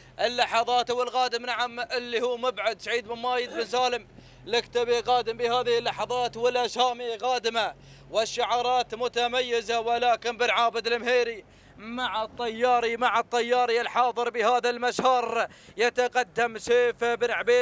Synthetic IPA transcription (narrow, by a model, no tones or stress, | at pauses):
ʔɪlːɑħɑðˤɑːt̪awɪlɣɑːd̪ɪmnaʕamɪlːihuːmʊbʕad̪saʕiːd̪̚mɪnmaːjɪd̪̚mɪnzaːlɪm | lɪkt̪abiɣɑːd̪ɪmbɪhaːðɪhɪlːɑħɑðˤɑːt̪wɪlʔaʃaːmiɣaːd̪ɪma | wɪʃːʊʕɑːɾˤɑːt̪mʊt̪amajːɪzawɪlaːkɪnbɪnʕaːbɪd̪ɪlɪmheːɾi | maʕt̪ˤːɑjːɑːɾimaʕat̪ˤːɑjːɑːɾiɪlħɑːðˤɨɾbɪhaːðalmaʃhɑːɾˤ | jat̪aqɑd̪ːamʃeːfbɪnʕbeː